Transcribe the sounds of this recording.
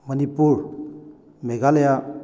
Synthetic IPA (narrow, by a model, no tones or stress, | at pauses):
mənipuɾ | meɡaleja